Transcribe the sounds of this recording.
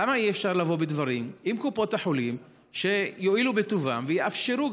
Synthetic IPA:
amaiefʃaʁlavo̞bed̪vaʁimʔimkupot̪aħolim | ʃe̞jo̞ilubet̪uvamvejeafʃe̞ʁu

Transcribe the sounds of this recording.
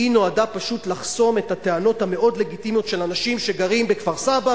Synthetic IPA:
ino̞adapaʃut̪laχso̞me̞thate̞ano̞thame̞o̞dle̞ɡitimjo̞tʃe̞lanaʃimʃeɡaʁimbekv̥aʁsaba

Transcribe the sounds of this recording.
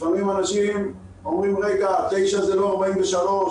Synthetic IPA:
famimanaʃim | o̞mʁimʁekat̪ejʃazelo̞aʁbaimveʃalo̞

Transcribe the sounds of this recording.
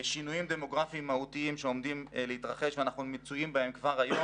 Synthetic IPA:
ʃinujimd̪emo̞ɡʁafiimːaut̪iimʃeo̞md̪imleit̪ʁaχeʃveanaχnumit͡sujimbahe̞mkvaʁajo

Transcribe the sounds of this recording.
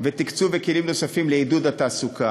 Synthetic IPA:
vet̪ikt͡suvekelimno̞safimleid̪ud̪at̪aːsukʰa

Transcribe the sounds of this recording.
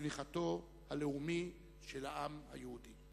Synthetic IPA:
viχat̪o̞ | haleumi | ʃelhaʔamha̰jehudi

